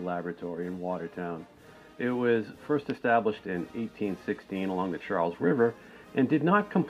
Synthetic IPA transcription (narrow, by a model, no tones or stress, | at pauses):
læbɹɨtʰɔɹiɨ̃nwɔɾə˞tʰãʊ̃n | ɪt̚wʌz̥fɜ˞stɨstæbləʃtɪ̃neɪtʰĩnsɪkstĩnəlɔ̃ŋðɨt͡ʃʰɑɹlˠzɹɪvə˞ | ʔɨ̃ndɨdⁿnət̚kʰə̃m̩pʰ